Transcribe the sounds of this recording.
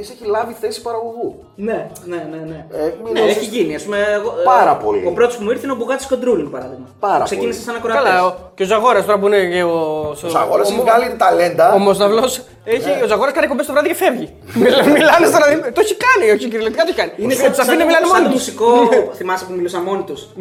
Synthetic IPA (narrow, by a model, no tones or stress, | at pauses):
iseçilɐviθesi̥pɐɾɐɣoɣu | ne̞neneneemneeçiʝiniɐspumeːɣopɐɾɐpo̰lḭopɾo̞t̪ospumuiɾθeinobuɣɐt̪i̥sko̞nd̪ɾulinpɐɾɐðiɣmɐpɐɾɐ̰kseinisesenɐkɾokɐlɐoceozɐɣo̞ɾɐst̪oɾɐp̬uineeosoɐɣoɾɐsuɣalit̪t̪ɐle̞nd̪ɐomoznɐvlos | eçiozɐɣo̞ɾɐskɐnikombest̪vɾɐðicefevʝi | mimilɐnest̪onɐðit̪oeçikɐnioçiciɾilet̪ikɐt̪oeçikɐniinessɐfinemilɐnemonit̪usikoθimɐsepumilusɐmo̞nit̪us